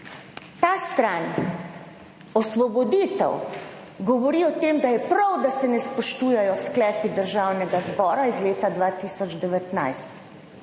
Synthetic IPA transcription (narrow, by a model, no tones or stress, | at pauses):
t̪aːst̪ɾan | ɔsʋɔbɔd̪iːt̪ɛ̰w | ɡɔʋɔɾiːɔt̪eːmd̪ajɛpɾawd̪asɛnɛspɔʃt̪uːjɛjɔsklɛːpid̪əɾʒawnɛɡazbɔːɾaizleːt̪ad̪ʋaːt̪iːsɔd͡ʒd̪ɛʋɛt̪na̰jst̪